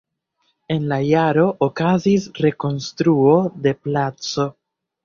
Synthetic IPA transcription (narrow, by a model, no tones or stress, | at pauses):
e̞nlajaɾo̞ʔːkazisɾe̞ko̞nstɾuo̞de̞plat͡so̞